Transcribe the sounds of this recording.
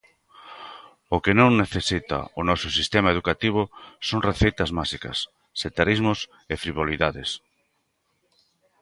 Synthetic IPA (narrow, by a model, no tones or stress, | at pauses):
ʊkɪnõŋneθesit̪a̰ʊnɔsʊsist̪emaeð̞ukat̪iβ̞ʊsõŋreθejt̪ɐzmasikɐ̰sː | et̪aɾizmʊs | efɾiβ̞oliðaðes